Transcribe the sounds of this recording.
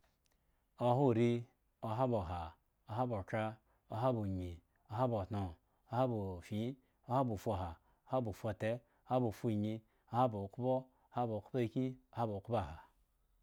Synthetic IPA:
o˨ɦu˦˨ɾi˦ | o˨ɦa˦bo˨ɦa˨ | o˨ɦa˦bo˨kɾa˦ | o˨ɦa˦bu˨ɲi˨ | o˨ɦa˦bo˨tno˨ | o˨ha˦bu˨fi˨˦ | o˦ha˦bu˨fʷo˨ɦa˨ | o˦ha˦bu˨fo˨te˦ | o˦ha˦bu˨fu˦˨ɲi˧ | o˨˦ha˦bo˨ku˦bo˦ | ha˦bo˨ku˦ba˦i˨ki˦o˨ha˦bo˨ku˦ba˦˨ɦa˨

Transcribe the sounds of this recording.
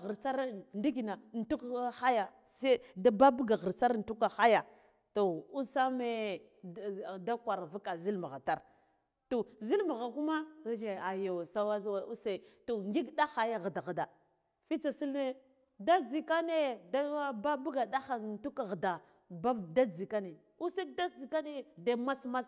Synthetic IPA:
ɣi˨ɾsa˦ɾndi˦ɡi˨na˨n˨tu˦kxa˦ja˨ | se˦da˦ba˦bu˦ɡa˨ɣə˨ɾsa˦ɾn̩˨tu˦ka˨xa˦ja˨ | to˨u˦sa˦me˦ | da˦kʷa˨ɾva˦ka˨zi˦lma˨ɣa̰˨ta˦˨ɾ | to˨zi˦lma˨ɣa˨ku˦ma˦d͡ʒe˨a˨jo˨sa˦wa˦u˦se˦˨to˨ŋɡi˦ɡɗa˦xa˨ja˦ɣə˨da˨ɣa˨da˨ | fi˦t͡sa˨si˦lne˦ | da˦d͡zi˨ka˦ne˦da˦a˦ba˦bu˦ɡa˨da˦xa˨n˨tu˦ka˨ɣda˨ | ba˦da˦d͡zi˨ka˦ne˨ | u˦se˦k̚da˦d͡zi˨ka˦ne˦da˦ma˦sma˦s

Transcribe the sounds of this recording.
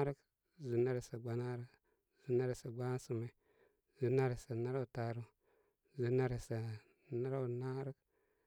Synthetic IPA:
a˦ɾi˦k | zu˨na˦ɾe˨sa˨ɡ͡ba˨na˦ɾi˦k | z̥u˨na˦ɾe˨sa˨ɡ͡ba˦su˨me˨ | zu˨na˦ɾe˨sa˨na˦ɾa˦wta˨ɾu˦ | zu˨na˦ɾe˨sa˨ | na˦ɾa˦˨na˦ɾi˦k̚

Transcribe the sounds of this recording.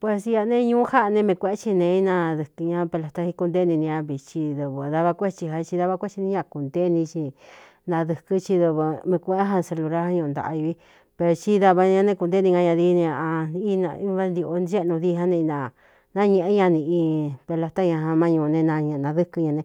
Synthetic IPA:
pwe˧sja˧nẽ˦˧ɲũː˦ha˦ʔnẽ˧mẽ˧kʷẽ˧ẽ˦t͡ʃi˧nẽ˧i˦nã˧ðɨ˧˨kɲã˧pe˧la˧t̪a˧hi˧ku˧d̪e˦nĩ˧nĩ˧ã˧βi˨t͡ʃi˧ðu˧βɨ˧˨ða˧βa˧kʷe˦t͡ʃi˧ɦa˧t͡ʃi˧ða˦˧βa˧kʷe˦t͡ʃi˧nĩ˧˦ɲã˧ku˨nd̪e˦˧nĩ˧t͡ʃi˧ | nã˧ðɨ˧kɨ˧t͡ʃi˧ðu˧βɨ˧mẽ˧kʷẽ˧˦ʔẽ˦ɦa˧se˧lu˧ɾa˦a˧ɲũ˧nd̪a̰˨a̰˧i˧βi˦ | pe˧ɾo˧t͡ʃi˦ða˧βa˧ɲã˧nẽ˧˦ku˧nd̪e˦nĩ˧ŋɡã˧ɲã˧ði˧nẽ˧a˧i˦nã˧i˧˦βa˦nd̪i˧o˧n˧˦e˦˧nũ˧ði˧ɦã˦nẽ˧nã˧ | nã˦ɲẽ˧ʔe˦ɲã˧nĩ˧ʔi˧pe˧la˧t̪a˦ɲã˧ɦã˧mã˧ɲũ˧nẽ˧nã˧ɲẽ˧˨˧nã˧ðɨ˦kɨ˧ɲã˧nẽ˧

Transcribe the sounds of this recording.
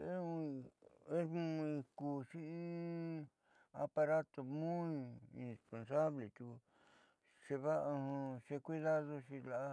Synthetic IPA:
e˦ũ˧ | e˦ũ˧ĩ˧kuː˨˧ʂĩ˦i˦ | a˧pa˧ɾa˦t̪o˨˧mũ˦ĩ˧ḭ̃˨˧ne˨spo˧nsa˦βle˨t͡ʃ̪u˧ | ʂe˧βa˦˧hõ˧ʂe˧kʷi˦ða˦ðo˧ʃi˧la˨ʔ

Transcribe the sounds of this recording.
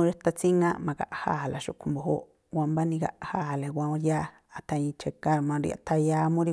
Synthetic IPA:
ũ˧ɾe˦t̪a˧t͡si˦ŋã˧mã˧ka̰˨ʔha̰ː˦˨la˨ʃṵ˧ʔkʰu˧mbo˧ɦo˦ʔ | wʷã˧mba˦nĩ˧ɡa̰˧ʔhaː˦˨le˨wʷã˧õ˧jaː˦˨ | t̪a˧ĩ˧t͡ʃe˧ka˧ɾmã˧ɾḭ˧ʔa̰˧t̪ʰa˧ja˧˦mũ˦ɾi˧

